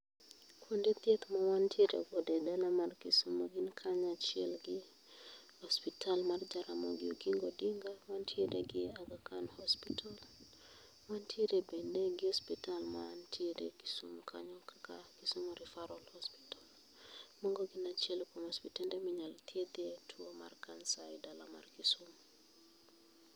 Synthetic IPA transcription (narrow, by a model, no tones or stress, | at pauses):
kwondet̪jet̪mawantʰieɾḛbodɛdalamarkisumoɡɪnkʰaɲat͡ʃɪɛlɡɪ | hɔspitʰalmard͡ʒaɾamɔ̰ɡɪo̰ɡiŋɡɔdiŋɡawantʰieɾeɡɪaɡakanhɔspital | mantʰiɾebɛndeɡihɔspitalma̰ntʰiɾḛki̥sṵmkʰa̰ɲɔkakakisumɾifaɾɔlhɔspi̥tal | mɔŋɡɔɡinat͡ʃɛlkɔmɔspitɛndɛmiɲalt̪ied̪etʰuoma̰rkansaidalama̰rkisum